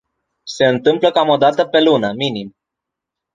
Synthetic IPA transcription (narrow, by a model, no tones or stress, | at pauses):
se̞ɨnt̪ɨmpləkamo̞d̪at̪əpe̞lunəminim